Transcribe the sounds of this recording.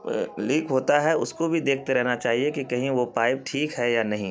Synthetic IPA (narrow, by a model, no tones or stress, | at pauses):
liːkɦoːt̪aɦɛʊskobʱid̪eːk̚ʰt̪eɾɛɦnat͡ʃaːɦiekikɐɦĩʋopaːɪp̚ʈʰiːkɦɛjanɐɦĩ